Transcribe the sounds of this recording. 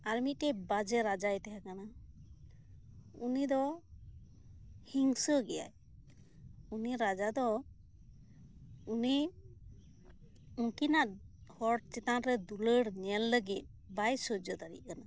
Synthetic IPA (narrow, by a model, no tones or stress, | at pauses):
aɾmitɛbad͡ʒɛɾad͡ʒajt̪aɦakana | unid̪ɔ | hiŋsɔɡɛja̰j | uniɾad͡ʒad̪ɔ | uni | uŋkinat̚hɔʈ̚t͡ʃit̪anɾɛd̪uləɽnɛlːəɡit̪̚bajsɔd͡ʒɔt̪aɾḭʔ̚kana